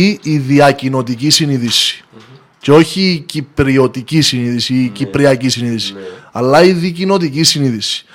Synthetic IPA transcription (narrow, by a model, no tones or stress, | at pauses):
iiðiɐcino̞t̪icisiniðisi̥ | ceo̞çicipɾio̞t̪icisiniðisiːcipɾiɐcisiniðisi̥ɐlːɐiðicino̞t̪icisiniðisi̥